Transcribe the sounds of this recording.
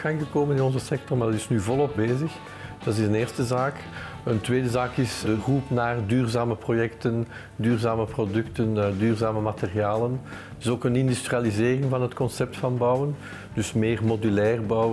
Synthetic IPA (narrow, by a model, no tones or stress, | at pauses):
ɣaŋɣəkoːmənɪnɔnzəsɛk̚tɔrmaːdɑtɪsnyːvɔlˠɔpbeːzəx | d̥ɑtɪzəneːrstəzaːk | əntweːdəzaːkɪsdəɣupnaːrdyːrzaːməprojɛktən | dyːrzaːməprodʏktəndyːrzaːməmaterijaːlən | tɪsoːkənɪndystrializeːrɪŋvɑnɦətkɔnsɛp̚tfɑnbʌwən | d̥ʏsmeːrmodylɛːrbw